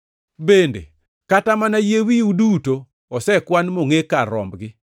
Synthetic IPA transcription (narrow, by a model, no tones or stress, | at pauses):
bendḛ | katamanajewiudutoː | sɛkwanmoŋekarɔ̰mbɡɪ